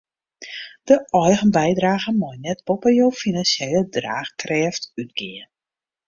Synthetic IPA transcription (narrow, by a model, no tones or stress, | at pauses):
d̥əʔɔjɣənbɛjdraːɣəmɔjnɛtpopəjowfinansejlədra̰ːxkrɛːftyt̚ɡ̥ɪən